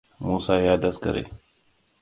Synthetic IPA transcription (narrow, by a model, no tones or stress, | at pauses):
muːsaːjaːd̪ɐskɐɾḛː